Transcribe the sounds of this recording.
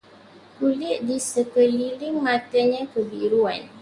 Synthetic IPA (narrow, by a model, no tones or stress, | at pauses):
kulɪʔdisəkəlilɪŋmãt̪aɲãkəbiɾua̰n